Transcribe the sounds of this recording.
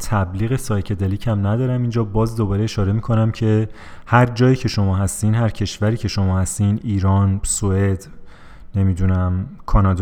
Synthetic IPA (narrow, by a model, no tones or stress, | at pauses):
t̪ʰæbliːɣe̞sɒːjcʰe̞d̪eliːcʰæmnæd̪ɒːɾæmind͡ʒɒːbɒːzd̪o̞bɒːɾe̞eʃɒːɾe̞miːkʰo̞næmcʰe̞ | hæɾd͡ʒɒːjiːcʰe̞ʃo̞mɒːɦæst̪iːnɦæɾcʰe̞ʃvæɾiːcʰe̞ʃo̞mɒːhæst̪iniːɾɒːnsoe̞d̪ | ne̞mid̪unæmkʰɒːnɒːd̪